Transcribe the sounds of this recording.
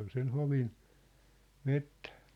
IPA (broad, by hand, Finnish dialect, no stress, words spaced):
ol sen hoʋin metːæ̥ː